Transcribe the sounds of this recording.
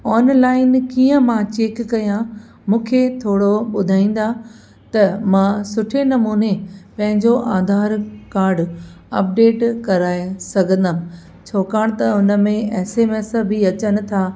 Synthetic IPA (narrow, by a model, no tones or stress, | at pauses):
ɔːnlaːɪnkiːə̃mãt͡ɕeːkːɐjã | mũːkʰet̪ʰoːɽoɓʊd̪ʱaːĩːn̆d̪a | t̪ɐmãsʊʈʰenɐmuːnepɐ̃ɦɪ̃ɲd͡ʑoʔaːd̪ʱaːɾkaːɾɖ | ɐ̰p̚ɖeːʈkɐɾaːesɐɡʱə̃nd̪əm | t͡ɕʰoːkaːɽ̃t̪ɐʊnə̆mẽɛːseːmeːsbʱiɐt͡ɕənɪ̆t̪ʰaː